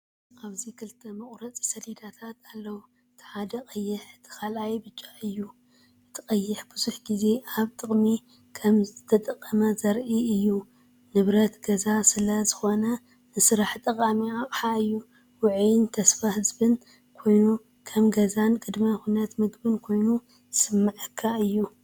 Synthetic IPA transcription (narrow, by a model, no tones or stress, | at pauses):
ʔaβzikʰɨlt̪ʰɐmɐχʼɾɐt͡sʼi̥sɐlid̪at̪ʰat̪alːɐwu | ɨt̪ʰħad̪ɐkʼɐjːɪħɨt̪ʰi̥kʰalʔajbɨt͡ʃʼːaɨjːu | ɨt̪ʰɨ̥qʼɐjːɪħbɨzuħɡize̞aβt̪ʼɨχʼmi | kʰɐmzɨzɨt̪ʰɐt̪ʼɐqʼːɐmɐzɐɾʔiɨjːu | nɨβɾɐt̪ɡɐzasɨlɐzɨxo̞nɐ | nɨsɾaħt̪ʼɐkʼamiapʼħaɨjːu | wʊʕjnt̪ʰɐsfahɨzbɨn | kʰo̞jnu | kʰɐmɡɐzankʼɨd̪mɐxunɐt̪mɨɡbɨnkʰo̞jnu | sɨmːaʕɨkʰːaɨjːu